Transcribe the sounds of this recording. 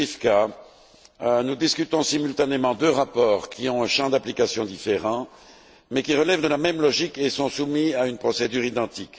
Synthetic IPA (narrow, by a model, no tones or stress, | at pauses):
ifka | nud̪iskʲyt̪ɔ̃simylt̪anemɑ̃d̪øʁapɔːʁkʰʲiɔ̃ɛ̃ʃɑ̃d̪aplikasjɔ̃d̪ifeʁɑ̃ | mɛkʲiʁəlɛvd̪əlamɛmlɔʒikesɔ̃sumiaynpχɔsed̪yʁid̪ɑ̃t̪ik